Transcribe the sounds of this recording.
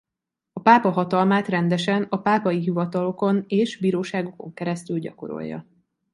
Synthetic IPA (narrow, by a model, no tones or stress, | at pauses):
ɒpaːpɒɦɒt̪ɒlmaːt̪rɛnd̪ɛʃɛnɒpaːpɒjiɦivɒt̪ɒlo̞ko̞neːʒbiːɾoːʃaːɡo̞koŋkɛɾɛst̪ylɟɒ̰ko̞̰ɾo̞̰jːɒ̰